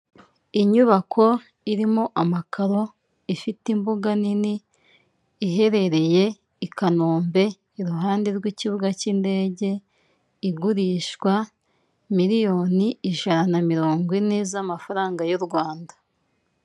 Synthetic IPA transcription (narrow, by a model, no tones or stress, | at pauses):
iɲuβakʰo̞ | iɾimoʔamakʰaɾo̞ | ifitimbuɡaniniː | ɦe̞ɾe̞ɾe̞je̞ | ikanoːmbe̞ | iɾuɦaːnde̞ɾɡwiciβuɡacinde̞ːɟe̞ | iɡuɾiʃkwa | miɾijo̞niiʒananamiɾo̞ːŋɡwinezamafaɾaːŋɡajuɾɡwaːndḁ